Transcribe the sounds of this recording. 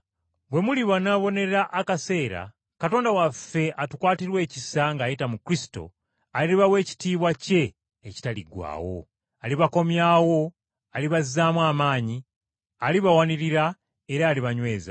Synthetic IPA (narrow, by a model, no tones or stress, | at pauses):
bwe̞muliβanaːβo̞ne̞ɾaʔakase̞ːɾa̰ | kato̞ːndawafːe̞ʔatukwaːtiɾwe̞ːcisaŋɡaːjitamukɾisi̥to̞̰ | aliliβawe̞ːci̥tiːβwace̞ː | ci̥taliɡwa̰ːwo̞̰ | aliβako̞mjaːwo̞ | aliβazaːmwaːmaːɲi | aliβawaniɾiɾa | e̞ɾaːliβaɲwe̞ːza̰